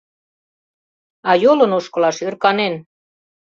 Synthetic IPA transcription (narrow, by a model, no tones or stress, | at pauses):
ɑjolɤ̆noʃkɤ̆lɑʃørkɑnen